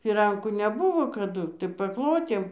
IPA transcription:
fʲɪˈrɐŋkuː nʲɛˈbʊʋoː kɐˈdʊ tɐɪ pɐˈklˠoːtʲeːm

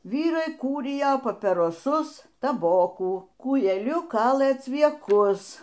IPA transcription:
ˈʋʲiːrɐɪ ˈkuːrʲɪjoː pɐpʲɪroːˈsʊs tɐˈboːkuː kuːjɛˈlʲʊˈkɑːlˠɘ t͡sʲʋʲiɛˈkʊs

